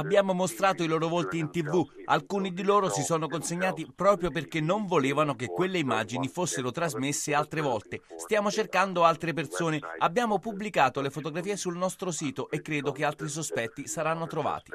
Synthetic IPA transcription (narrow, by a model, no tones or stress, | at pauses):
abːjaːmomost̪ɾaːt̪oiloːɾovolt̪iːnt̪ivːua̰lkuːnid̪iloːɾosisɔːnokonseɲːaːt̪̬ipɾɔːpɾjop̬erkenːoɱvoleːvanokekwelːeimːa̰d͡ʒinifosːeɾot̪ɾazmesːealt̪ɾevɔlt̪est̪jaːmot͡ʃerkand̪oalt̪ɾep̬ersoːneabːjaːmopublikaːt̪olefot̪oɡɾafiːesulnɔst̪ɾosiːt̪oʔekːɾeːd̪okealt̪ɾis̬ospɛt̪ːisaɾanːot̪ɾova̰ːt̪i̥